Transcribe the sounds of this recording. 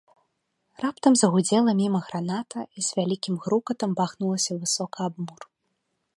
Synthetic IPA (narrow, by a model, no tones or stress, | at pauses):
rapt̪ɐmzɐɣud͡zʲɛlˠɐmʲimɐɣɾanat̪ɐiz̥ʲvʲalʲikʲimɣɾukɐt̪ɐmbaxnulˠɐsʲɐvɨsɔkɐabmur